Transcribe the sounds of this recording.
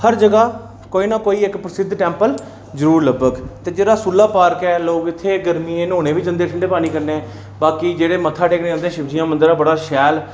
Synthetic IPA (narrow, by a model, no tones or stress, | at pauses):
həɾd͡ʒəɡaː | koːiːnaːkoːiːɪkpɾəsɪd̪ʱʈɛ̃ːmpəl | zəɾuːɾləbəɡt̪eːd͡ʒeːɽaːsulːaːpaːɾkɛːloːɡɪt̪ʰːeːɡəɾmiːẽːnõːñeːʋiːd͡ʒənd̪eːʈʰəɳɖeːpaːniːkəɾneː | baːkiːd͡ʒeːɽeːmət̪ʰːaːʈeːkʰneːãːnd̪eɛ̃ːʃɪbd͡ʒijãːmənd̪əɾaːbəɽaːʃɛːl